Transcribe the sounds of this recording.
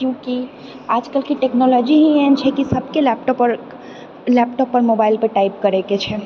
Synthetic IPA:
kjũki | ad͡ʒkəlkeʈeknɔlɔd͡ʒiɦĩent͡ʃʰɛkisəbʱkelɛp̚ʈɔpɾ | lɛpʈɔpːəɾmobailpeʈaip̚kəɾeket͡ʃʰɛ

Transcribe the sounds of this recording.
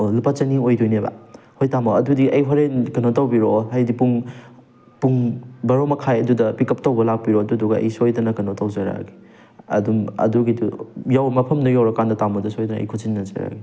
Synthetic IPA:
olupat͡ʃɐniojdojneba̰ | hojtamoɐdudiʔɐjɦɔɾenkɐnotawbiɾoɦajdipuŋ | puŋbɐɾomɐkʰajɐdudɐpikɐp̚tawbɐlak̚piɾoɐduduɡɐɐ̰jsojdɐnɐkɐnotawzɐɾa̰ɡi | ɐ̰dumɐ̰duɡidujawmɐpʰɐmnɐjawɾɐkandɐtamɐdɐsojdɐnɐ̰jkʰusinːɐzɐ̰ɾa̰ɡi

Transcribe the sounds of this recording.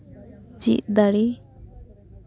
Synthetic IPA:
d͡ʒḭʔd̪aɽi

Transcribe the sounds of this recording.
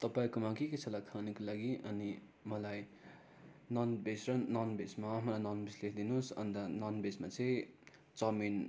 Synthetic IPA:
t̪ʌpaĩkomakeket͡sʰʌlakʰanʌkolaɡiʔʌni | mʌlaj | nʌnbesrʌnʌnbesmaːmalajnʌnbislesd̪inosʌ̰nd̪anʌnbesmat͡sʌ̃ | t͡sʌmin

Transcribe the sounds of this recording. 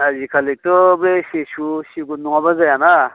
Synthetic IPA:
azikʰalek̚t̪ɔbesesusiɡunuŋabazajana

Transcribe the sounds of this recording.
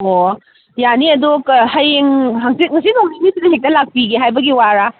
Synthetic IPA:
o | janiɐdukhɐjeŋɦaŋsit̚ŋɐsinoŋnimisidɐɦek̚tɐlak̚piɡeɦajbɐɡiwaɾa

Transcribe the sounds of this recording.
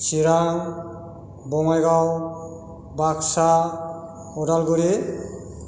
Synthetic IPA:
siɾaŋ | bɔŋajɡaw | baksa | ɔdalɡuɾi

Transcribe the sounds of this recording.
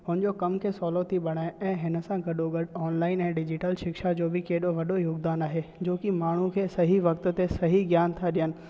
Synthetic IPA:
ɦʊnɪ̃d͡ʑokɐmkʰeːsɔːlot̪ʰiɓɐɽ̃aːẽʔɛ̃ːɦɪnə̆sãɡɐɗoɡɐɗɔːnlaːɪnɛ̃ːɖɪd͡ʑɪʈəlʃɪkʃad͡ʑoːbɪkeːɗoʋɐɗojoːɡd̪aːnaːɦed͡ʑoːkimaːɳ̤ũkʰeːsɐɦiʋɐkt̪t̪esɐɦiɡjaːnt̪ʰaɗijənɪ̆

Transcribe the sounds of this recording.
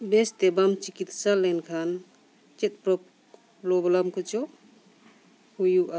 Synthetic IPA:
best̪ebamt͡ʃikit̪salenkʰan | t͡ʃet̪̚pɾɔp̚ | lɔbɔlamkʰut͡ʃɔ | hujuʔa

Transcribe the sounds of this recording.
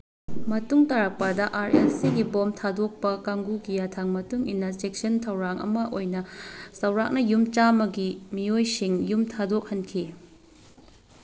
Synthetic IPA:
mɐtuŋtaɾak̚padɐʔaɾelsiɡibomtʰadok̚pɐkaŋɡukijatʰaŋmɐtuŋḭnːɐt͡ʃek̚sɐntʰɐwɾaŋʔɐ̰mɐʔojnɐsɐwɾak̚nɐjumt͡ʃamɐɡimiojsiŋjumtʰadok̚hɐnkʰi

